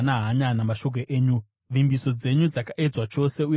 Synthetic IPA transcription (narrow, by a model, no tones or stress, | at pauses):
naɦaɲanamaʃo̞k̬oʔeːɲu | ʋimbiso̞d͡ze̞ɲud͡zakaʔe̞d͡zwat͡ʃo̞se̞u